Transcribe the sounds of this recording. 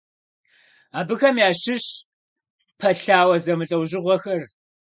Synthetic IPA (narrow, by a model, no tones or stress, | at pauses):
aːbɨxɐmjaːɕɪɕ | pʰɐɬaːwɐzɐmɨɬʼɐwʑɪʁʷɔxɐr